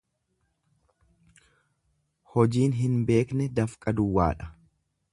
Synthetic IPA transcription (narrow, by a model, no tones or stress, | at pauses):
hɔd͡ʒiːnɦɪnbe̞ːknɛd̪ɐfkʼɐd̪ʊwːa̰ːᶑɐ̥